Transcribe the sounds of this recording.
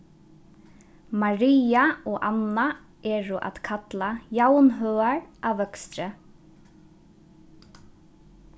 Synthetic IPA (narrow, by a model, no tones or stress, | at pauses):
maɾiːaɔɣʔa̰na | ɛːɾʏʔa̰ð̥kʰat̪lajawnɦœːaɹaʋœkst̪ɾɪ